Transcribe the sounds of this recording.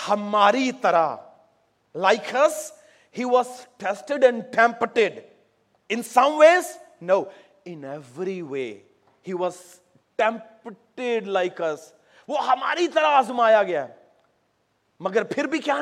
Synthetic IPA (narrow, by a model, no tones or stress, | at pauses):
hɐmaːɾit̪ɐɾa | laɪkʰɐs | hiːʋɔzʈɛsʈɪɖɛ̃ɳɖʈɛ̃mpʈɪɖ | ɪ̃nsɐ̃mʋeːz | noː | ɪ̃nɛʋɾiʋḛː | hiːʋɔz | ʈɛ̃mpʈɪɖlaɪkɐs | ʋohɐma̰ːɾit̪ɐɾaaːzʊmaːjaɡɐjaɛ | mɐɡəɾpʰɪɾbʱikja